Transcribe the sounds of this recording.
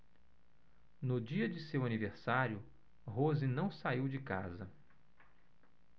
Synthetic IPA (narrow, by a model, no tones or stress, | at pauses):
nʊd͡ʒiɐd͡ʒɪsewɐniveɾsaɾjʊ | ɦozɪnɐ̃w̃saiwd͡ʒɪkazɐ